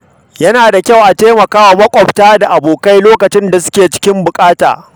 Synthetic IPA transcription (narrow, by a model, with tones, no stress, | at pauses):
jɐ˦naː˨da˨kʲa˦˨wʔa˨teː˦mɐ˨kaː˦wa˨mɐ˦kʷʼɔ˨btaː˦da˨ʔa˨boː˨ka˦jloː˦kɐ˨t͡ʃɪ˦nda˨sʊ̥˦kʲeː˨t͡ʃɪ̥˦kʲɪ˦mbʊ˨kʼaː˦ta̰ː˨